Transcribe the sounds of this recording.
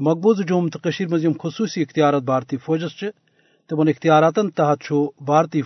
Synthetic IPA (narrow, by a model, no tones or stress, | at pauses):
mɐk̚buzɨd͡ʒuːmt̪ɨqɐʃiːɾmɐzjɐmxusuːsiːxt̪ijaːɾat̪̚baːɾt̪iːfoːd͡ʒɐst͡ʃʰi | t̪imɐnixt̪ijaːɾaːt̪ɐnt̪ɐɦɐt̪̚t͡ʃʰubaːɾt̪iː